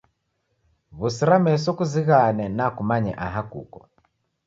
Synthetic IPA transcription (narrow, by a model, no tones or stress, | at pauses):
βusiɾamɛsɔkuziɣanɛnakumaɲɛ̰ʔaɦakṵkɔ